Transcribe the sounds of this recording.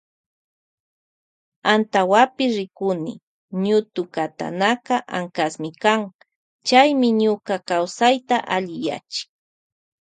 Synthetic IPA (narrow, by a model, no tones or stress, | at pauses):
ant̪awapɪsɾɪkʊnɪ̰ | ɲʊt̪ʊkat̪a̰nakaʔaŋkasmɪkaŋ | t͡ʃajmɪɲʊkakawsajt̪aʔaʎɪja̰t͡ʃɪ̥k̚